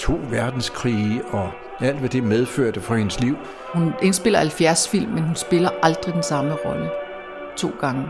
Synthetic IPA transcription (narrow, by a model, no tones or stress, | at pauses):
t͡sʰo̝̰ːʋæɐd̥n̩skʰʁiːɒ̽ | æl̰d̥ʋæd̥e̝með̞ˠføɐ̰d̥əfɒ̽he̝nəsliʊ̰ | hunensb̥e̝l̰ɐhælfjæɐsfil̰mːenhunsb̥e̝lɐʔɑ̈ld̥ʁid̥ensɑ̈məʁɒ̽lə | t͡sʰo̝̰ːɡ̥ɑ̈ŋə